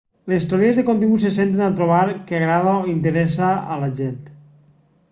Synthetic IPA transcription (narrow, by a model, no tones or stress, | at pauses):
lest̪oɾiezðekont̪iŋɡusesent̪̬enat̪ɾoβ̞aɾkeaɣɾaðaoint̪̬eɾɛs̬a̰ːlaʒent̪